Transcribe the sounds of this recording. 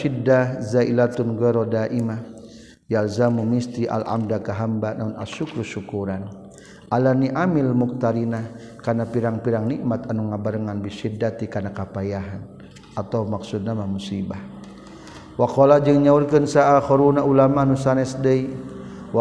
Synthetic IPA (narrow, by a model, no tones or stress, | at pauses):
idazailat̪unɡɛɾɔdaʔima | jalzamumist̪iʔa̰la̰mdakaɦambanauna̰ʃukɾuʃukuɾan | ʔalaniʔamilmuk̚t̪aɾinah | kanapiɾaŋpiɾaŋniʔmat̪anuŋabaɾəŋanbiʃidːat̪ikanakapajaɦan | at̪awmaksud̪̚namamusibah | wakɔlad͡ʒəŋɲaurkənsaaxɔɾunaʔulamanusanɛsdəiw